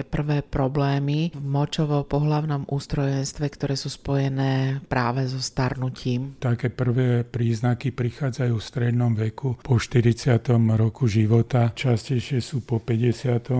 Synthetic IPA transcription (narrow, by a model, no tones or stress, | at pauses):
ɛpr̩ʋɛːpɾɔblɛːmivmɔt͡ʃɔʋɔpɔɦlaʊnɔmʔuːst̪ɾɔjɛnst̪ʋɛkt̪ɔɾɛːsuːspɔjɛnɛːpɾʔaːʋɛzɔst̪aɾnucʰiːmt̪akɛːpr̩ʋɛːpɾiːznakipɾixaːd͡zajuːfst̪ɾɛd̪nɔmʋɛkupɔʃt̪iɾit͡sɪat̪ɔmɾɔkuʒiʋɔt̪at͡ʃascɛjʃɪɛsuːpɔpɛɟɛsɪat̪ɔ